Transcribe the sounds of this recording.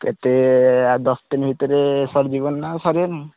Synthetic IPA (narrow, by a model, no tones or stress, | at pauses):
kḛt̪ed̪ɔst̪inbʱit̪ɔɾesɔɾd͡ʒibɔnːasɔɾen